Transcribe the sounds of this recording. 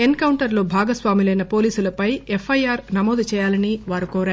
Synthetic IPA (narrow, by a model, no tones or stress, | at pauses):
enkɐwɳʈɐɾlo̞ːbʱaːɡɐsʋaːmilɐjnɐpo̞ːliːsulɐpɐjefʰːɐjaːɾnɐmɔːd̪ut͡ʃɛːjaːlɐniʋaːɾukoːɾaːɾ